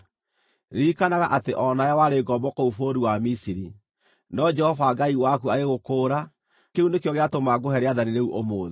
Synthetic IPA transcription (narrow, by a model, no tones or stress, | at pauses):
ɾiːkanaɣaʔateʔɔnajawaɾeɡɔbɔkoufoɾuwamisiɾi | nɔd͡ʒɛhɔvaɡaiwakuaɾeɣokoːɾa | keunekjɔɣeatomaɡoɦɛɾeaðaniɾeuʔomoːðe